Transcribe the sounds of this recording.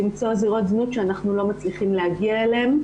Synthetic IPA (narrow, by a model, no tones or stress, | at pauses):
imt͡so̞ziʁo̞t̪znutʃeanaχnulo̞mat͡sliχimleaɡiaeleem